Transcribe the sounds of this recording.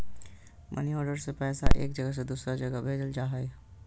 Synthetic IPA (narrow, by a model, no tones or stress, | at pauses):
mʔə̰niɔːɾɖəɾsepɛːsa̰ʔḛːkd͡ʒəɡəs̬ed̪uːsɾad͡ʒəɡəbʱeːd͡ʒəld͡ʒaːɦɛj